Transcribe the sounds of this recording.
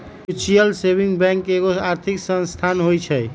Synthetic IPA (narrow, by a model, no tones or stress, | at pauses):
it͡ʃijəlsebiŋɡbɛ̃ŋkeɡoaɾt̪ʰiksə̃nst̪ʰanɦojt͡ʃʰɛj